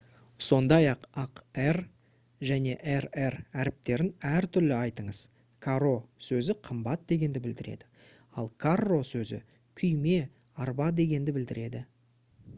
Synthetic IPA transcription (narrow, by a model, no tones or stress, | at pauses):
so̞nd̪ɑjɑqɑqer | ʒæne̞ʔeɾeɾæɾɪp̚t̪e̞ɾɪnæɾt̪ʰʏɾlɪɑjt̪əɴəz̥ | kʰaro̞sɵzɪqʰəmbɑt̪̚d̪e̞ɡʲe̞nd̪ɪbɪld̪ɪɾe̞̰d̪ɪ | ɑlˠkʰarːo̞sɵzɪ̰ | kʲʰʏjme̞ | ɑɾbɑd̪e̞ɡʲe̞nd̪ɪbɪld̪ɪɾe̞d̪ɪ